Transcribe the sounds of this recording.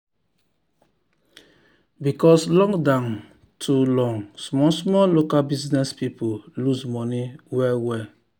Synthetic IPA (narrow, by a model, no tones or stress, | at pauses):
bikɔslɔ̃ŋdãm | tʰulɔ̃ŋsmɔsmɔlokalbiznɛspipolusmɔniwɛlwɛ